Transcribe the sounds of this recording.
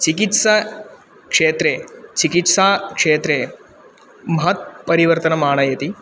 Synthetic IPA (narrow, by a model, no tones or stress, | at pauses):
t͡ʃikit̪sa | kʂeːt̪ɾet͡ʃikit̪saːkʂeːt̪ɾeː | mɐɦɐt̪̚pɐɾiʋɐɾt̪ɐnɐmaːɳ̃ɐjɐt̪i